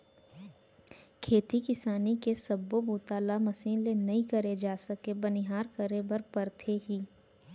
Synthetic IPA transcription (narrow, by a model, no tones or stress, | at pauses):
kʰeːt̪ikɪsaːnikesɐbːobuːt̪aːlamɐsiːnlenɐĩkɐɾed͡ʒaːsɐkebɐnɪɦaːɾkəɾebɐɾpɐɾt̪ʰeɦiː